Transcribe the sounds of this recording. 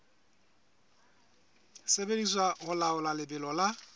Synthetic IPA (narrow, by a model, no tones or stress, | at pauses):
sebediswaɣʊlaʊlalɪbɪlɔla